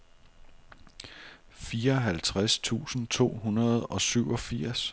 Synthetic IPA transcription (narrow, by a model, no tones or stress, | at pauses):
fiːɐɒ̽ɦælt͡sʰʁast͡sʰṵːsn̩t͡sʰo̝̰ːɦunɐð̞ˠɒ̽syʊɒ̽fiɐ̰s